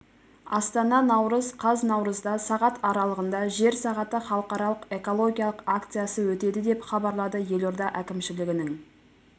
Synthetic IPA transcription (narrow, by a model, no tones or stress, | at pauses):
ɑ̰st̪ɑnɑnɑwɾəzqʰɑznɑwɾəzd̪ɑsɑʁɑt̪ɑɾɑlˠəʁənd̪ɑʒe̞ɾsɑʁɑt̪əχɑlˠəqɑɾɑlˠəqe̞ko̞lˠo̞ɡʲijɑlˠəqakt̪sɨjasəwɵt̪e̞d̪ɪd̪e̞pχɑbɑɾlˠɑd̪əje̞lo̞ɾd̪ɑʔækʲɪmʃɪlɪɡʲɪnɪŋ